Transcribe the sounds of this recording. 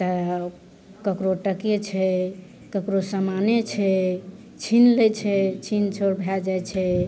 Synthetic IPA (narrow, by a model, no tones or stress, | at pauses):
t̪ə | kəkɾoʈəket͡ʃʰɛ | kəkɾosəmanet͡ʃʰɛ | t͡ʃʰinlɛt͡ʃʰɛt͡ʃʰint͡ʃʰoɾbʱjɛd͡ʒajt͡ʃʰɛ